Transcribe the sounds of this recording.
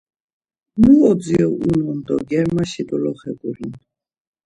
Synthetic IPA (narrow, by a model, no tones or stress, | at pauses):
muɔd͡ziɔʔunund̪ɔ̰ɡɛɾmaʃid̪ɔlɔχɛɡuɾin